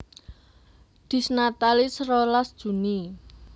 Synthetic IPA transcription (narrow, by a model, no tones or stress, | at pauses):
d̪̥i̤snat̪alisrolasd̥ʒ̥ṳni